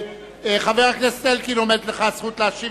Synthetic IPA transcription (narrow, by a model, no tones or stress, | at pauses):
eχaveʁaknest̪elkinomed̪leχasχut̪leaʃi